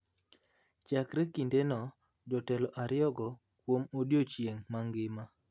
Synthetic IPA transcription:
t͡ʃakɾɛkindenɔ | d͡ʒɔtɛlɔʔaɾɪɔɡɔ | kwomodjot͡ʃjeŋmaŋɡɪma

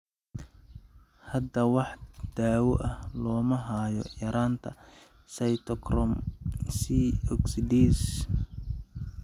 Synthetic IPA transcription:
hɐd̪ɐwɑħd̪̥aːwɔʔɐhlɔːmɐɦaːjɔ̰jɐɾʔaːnt̪ʰɐ̰ | sɐjt̪ʰɔkrɔmsiɔksid̪iːs

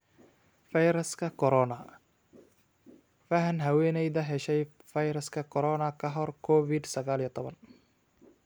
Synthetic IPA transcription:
fɐjɾɐskʰɐkʰɔɾɔnɐ | fɐɦɐnɦɐwɛːnɛjðɐɦɛʃɛj | fɐjɾɐskʰɐkʰɔɾɔnɐkʰɐɦɔrkʰɔfɪd̪sɐɣaːlijɔt̪ʰɔβɐn

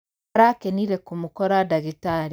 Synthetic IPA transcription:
ɾakeniɾekumukoɾadaɡitaɾ

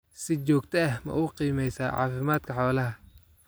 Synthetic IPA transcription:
sɪt͡ʃɔːkt̪ʰɐɐhmɐ̰ʔʊqiːmɛjsaːʕɑ̰ːfɪmaːd̪̥kʰɐħɔːlɐɦɐ

